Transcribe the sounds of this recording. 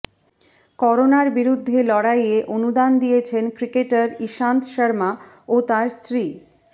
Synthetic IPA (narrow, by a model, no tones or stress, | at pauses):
kɔɾonaɾbiɾud̪ʱːelɔɽajeʔonud̪and̪ijet͡ɕʰenkɾikeʈaɾiʃant̪ʃəɾma | ot̪aɾsɾi